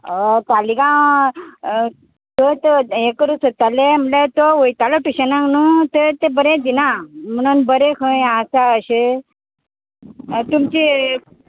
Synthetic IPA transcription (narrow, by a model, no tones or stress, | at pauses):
t̪alikã | t̪ət̪ekəɾusət̪alem̤əlet̪oʋojt̪aloʈuɕənãŋnut̪et̪ebəɾẽd̪inam̤əɽ̃uːnbəɾekʰəjasaəɕe | t̪umt͡ɕi